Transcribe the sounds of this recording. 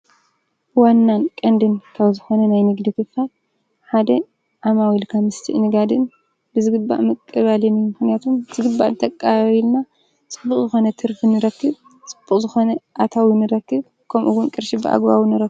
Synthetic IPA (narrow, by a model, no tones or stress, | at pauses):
wanːankʼɐnd̪ɨnkʰaβzɨxo̞nɐnajnɨɡd̪ikɨfal | ħad̪ɐ | ʔamawilkʰamːɨst̪ʰḭʔnɨɡad̪ɨn | bɨzɨɡɨba̰ʔmɐkʼːɨβalinijumɨxnijat̪ʰumbɨz̥ɨɡɨd̪̚baʔnɨt̪ʰɐkʼːaβaβilna | t͡sʼɨbːuχʼzɨxo̞nɐt̪ʰɨɾfɨnːɨɾɐkːɨβ | t͡sʼɨb̥ːuχʼzɨxo̞nɐʔat̪ʰawinɨɾɐkːɨβ | kʰɐmʔuwunkʼɨɾʃibɨʔa̰ɡβawinɨɾɐkːɨ